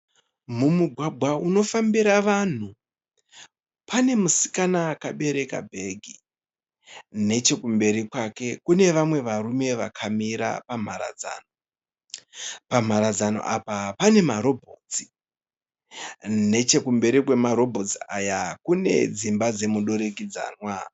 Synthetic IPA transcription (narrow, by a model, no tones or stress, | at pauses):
mumuɡʱwaɡʱwauno̞fambiɾaʋan̤u | pane̞musi̥kanakaɓe̞ɾe̞ka̰bʱe̞ɡʱi | ne̞t͡ʃe̞kumbe̞ɾikwake̞kune̞ʋamwe̞ʋarume̞ʋakʰamiɾa̰pam̤aɾa̰d͡za̰ːno | pam̤aɾad͡zano̰ʔapapane̞maɾo̞bʱot͡si̥ | ne̞t͡ʃe̞kumbe̞ɾikwe̞maɾo̞bʱo̞t͡siajakune̞̰d͡zimbad͡ze̞muɗo̞ɾek̬id͡za̰ːnwa